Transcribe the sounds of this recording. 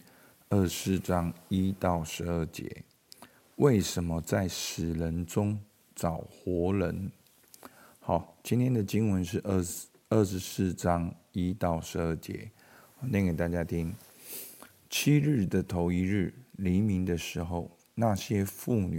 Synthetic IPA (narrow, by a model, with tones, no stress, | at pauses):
ə˥˧˩sɹ̩˥˩ʈ͡ʂɑ˦˥ŋi˦˥t̪ɑ˥˩ʊʂɻ̩˧˥ə˥˩t͡ɕjɛ̰˧˦ | we˥˩ɪʂə˧˥nmə˧t͡sa˥˩ɪʂɻ̩˨˩lə˧˦nʈ͡ʂʊ˥ŋ | t͡sɑ˨˩ʊxwɔ˨˧˥lə˧˦n | xɑ˨˩˦t͡ɕi˥nt̪ʰjɛ˥nd̪ə˨t͡ɕi˥ŋwə˧˦nʂ̬ɻ̩˥˧˥ | ə˥˩ʂɻ̩˧˥sɹ̩˥˩ʈ͡ʂɑ˦˥ŋi˦t̪ɑ˥˩ʊʂɻ̩˧˥ə˥˩t͡ɕjɛ̰˧˥˦ | ɔ˨˩nɛ˥ŋke˨˩ɪt̪a˥˩t͡ɕja˥t̪ʰi˥ŋ | t͡ɕʰi˥ɻɻ̩˥˩d̪ə˩t̪ʰo˧˥ʊi˥ɻɻ̩˥˩li˧˥mi˧˥ŋd̪ə˨ʂɻ̩˧˥xo˥˧ʊ | na˥˨ɕjɛ˦˥fu˥˩ny˨˩